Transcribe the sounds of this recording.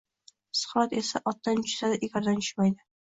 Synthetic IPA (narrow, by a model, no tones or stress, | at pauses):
sʊ̥χat̪e̞saʔɒt̪ːant͡ʃʊ̥sad̪aʔeɡʲaɾd̪anʰʊ̥majd̪ɪ